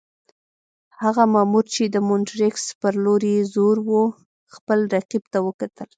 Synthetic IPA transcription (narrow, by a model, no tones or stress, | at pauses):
haɣamamuɾt͡ʃed̪əmʊnʈɾɪkspəɾloɾezoɾwu | xpəlɾaqibt̪awəkat̪əl